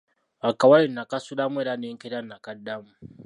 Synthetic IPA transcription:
akawajinakasulamweɾaneŋkeɾanakadamu

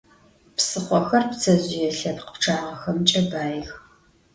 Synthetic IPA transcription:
psɨχʷɔxɐrpt͡sʰɐʑɪjɛɬɐpqə̥pʈ͡ʂʰaːʁɐxɐmt͡ʃʼɐbaːjɪx

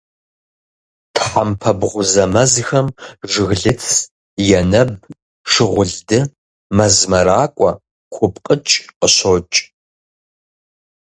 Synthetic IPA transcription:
tʰħampʰɐbʁʷʊzɐmɐzxɐmʐɨɣɮɨt͡sʰ | jɛnɐb̚ | ʂɨʁʷʊɮdɨ | mɐzmɐɾaːkʷʼɔ | kʷʰʊpʼqʼət͡ʃʼqəɕot͡ʃʼ

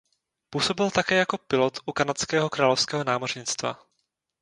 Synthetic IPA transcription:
puːso̞bɪlt̪akɛːjako̞pɪlo̞t̪ʔukanat͡skɛːɦokɾaːlo̞fskɛːɦo̞naːmo̞rɲɪt͡st̪va̰

